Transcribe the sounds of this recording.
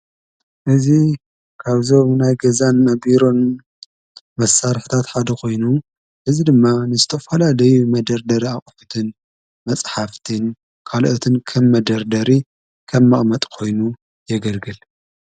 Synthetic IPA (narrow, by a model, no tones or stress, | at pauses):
ʔɨzi | kʰaβzo̞mnajɡɐzanːɐbiɾo̞n | mɐsːaɾħi̥t̪ʰat̪ħad̪ɐkʰo̞jnu | ʔɨzid̪ɨmːanɨzɨt̪ʰɐfɐlalɐjumɐd̪ɐɾd̪ɐɾiaχʼfut̪ʰɨn | mɐt͡sʼħaft̪ʰɨn | kʰalʔot̪ʰɨnkʰɐmːɐd̪ɐɾd̪ɐɾi | kʰɐmːɐχʼmɐt̪ʼkʰo̞jnu | jɛɡɐlɡɨl